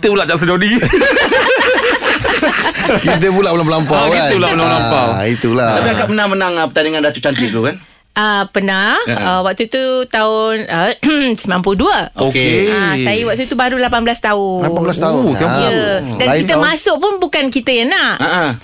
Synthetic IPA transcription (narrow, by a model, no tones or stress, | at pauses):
kit̪əbulaʔd͡ʒasəd͡ʒodi | kit̪̬əpulabəlaməlampakaəulaəlalampait̪ulaatpiakaʔmənamənaŋəpət̪aniŋandat͡ʃ̪ut͡ʃant̪it̪ukan | əpənaəwak̚t̪ut̪ut̪aʊnəsəmãmpuduəokeasajiwak̚t̪ut̪ubaɾulapanblast̪aulapablast̪auajədanit̪əmasʊʔpʊnbukankit̪əjanaʔəʔã